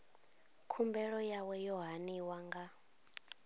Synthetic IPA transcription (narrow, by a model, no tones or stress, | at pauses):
kʰumbɛɺɔjawɛjɔɦaniwaŋɡa